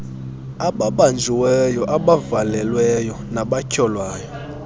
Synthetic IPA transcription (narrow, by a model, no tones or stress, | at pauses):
aɓaɓand͡zʱiwɛjɔʔaɓavalɛlwɛjɔ | naɓacʰɔlwaːjɔ